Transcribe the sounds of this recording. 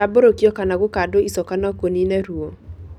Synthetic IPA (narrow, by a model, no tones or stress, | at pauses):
aboɾokjɔkanaɣokadoisɔkanɔkoninɛɾuo